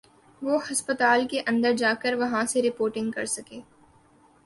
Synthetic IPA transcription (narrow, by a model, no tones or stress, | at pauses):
ʋoːhɐspət̪aːlkeʔɐ̃nd̪əɾd͡ʒaːkəɾʋɐɦãseɾɪpoːɾʈɪ̃ŋɡkɐ̰ɾsɐkeː